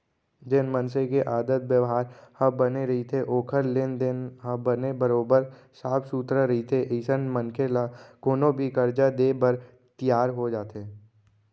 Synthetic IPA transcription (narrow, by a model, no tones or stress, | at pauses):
d͡ʒɪnmənsẽkeʔaːd̪ət̪̚wjəʋɦaːɾhɐbəneɾɐɦit̪ʰeʔoːkʰəɾlend̪enɦəbənebəɾoːbəɾ | saːpʰsuːt̪ɾəɾɐɦit̪ʰeʔiːsənmə̃nkʰelakoːnõbʱikəɾd͡ʒad̪eːbəɾ | t̪ijaːɾɦod͡ʒaːt̪eː